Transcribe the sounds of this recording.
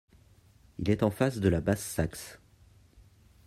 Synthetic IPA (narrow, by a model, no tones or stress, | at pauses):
ilɛt̪ɑ̃fasd̪əlabasːaks